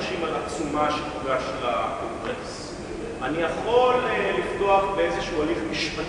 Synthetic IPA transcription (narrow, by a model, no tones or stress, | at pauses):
ʃimalat͡sumaʃepiɡaʃlakoŋɡʁes | anijaχo̞llift̪o̞aχbeezeʃualifmiʃpa